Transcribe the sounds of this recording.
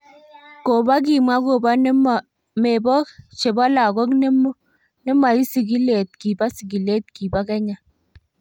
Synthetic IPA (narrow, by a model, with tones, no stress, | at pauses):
ko˨ba˦k̬i˨ma˦ko˨ba˦nɛ˦ma˨ | me˨bɔ˦kt͡ʃe˨ba˦la˨kɔ˦kne˦mu˦ | ne˦ma˨i˦si˨ki˦le˨t̚ki˨ba˦si˨k̬i˨le˦t̚ki˨ba˦kɛ˦ɲa˨